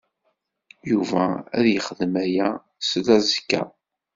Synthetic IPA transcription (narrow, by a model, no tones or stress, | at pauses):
juvææðjəχəðmæjæ | slæzəkːæ̰